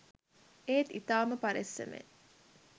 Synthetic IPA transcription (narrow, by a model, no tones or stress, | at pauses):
ʔeːt̪it̪aːməpɐɾesːḛmḛ